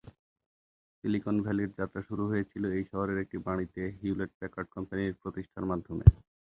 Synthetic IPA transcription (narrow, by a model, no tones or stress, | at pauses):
silikonbʱɛliɾd͡ʑat̪ːɾaʃuɾuɦojet͡ɕʰiloejʃɔɦoɾeɾek̚ʈibaɽ̃it̪eɦiuleʈ̚pɛkaɖ̚kɔmpaniɾpɾot̪iʃʈʰaɾmad̪ʱːomḛ